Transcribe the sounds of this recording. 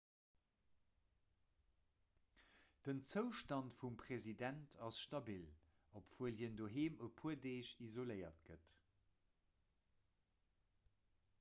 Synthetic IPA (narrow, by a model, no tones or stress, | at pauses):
d̥ənt͡səʊʃtɑntfumpχezidæntʰɑsʃtɑbil | opv̥uəlɦiəndoːɦeːməpʰuədeːɕizoləɪɐtɡ̥ət